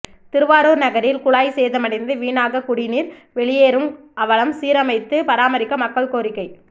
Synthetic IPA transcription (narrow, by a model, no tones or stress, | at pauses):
t̪ɪɾɯʋaːɾoːɾnɐɣɐɾɪlkʊɭaːjseːðɐmɐɽɪnd̪ɯʋiːnaːɣɐkʊɽɪniːɾʋɛɭɪjeːɾɯm | ʔɐʋɐɭɐmsiːɾɐmɐɪt̪ːɯpɐɾaːmɐɾɪkːɐmɐkːɐɭkoːɾɪkːɐɪ